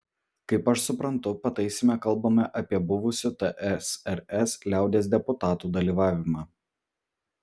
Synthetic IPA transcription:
kɐɪpɐʃsʊpɾɐnt̪ʊpɐt̪ɐɪsʲɪmʲɛkɐlˠbɐmʲɛʔɐpʲiɛbʊʋʊsʲʊt̪ɛʔɛsɛɾɛslʲæˑʊd̪ʲeːs̬d̪ʲɛpʊt̪ɑːt̪uːd̪ɐlʲiːʋɑːʋʲɪmɑː

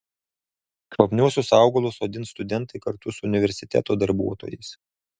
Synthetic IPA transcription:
kʋɐpʲnʲuɔsʲʊsɑˑʊɡɐlˠʊsoːd̪ʲɪnst̪ʊd̪ʲɛnˑt̪ɐɪkɐɾt̪ʊsʊʊnʲɪʋʲɛɾʲsʲɪt̪ʲæ̰ːt̪oːd̪ɐɾbṵɔt̪o̰ːjɛɪs

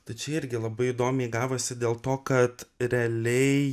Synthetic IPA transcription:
t̪ɐɪt͡ʃʲɛɪɾʲɡʲɪlˠɐbɐɪid̪oːmʲɛɡɑːʋoːsʲɪd̪ʲeːlˠt̪oːkɐt̪ɾʲɛɐlʲɛɪ

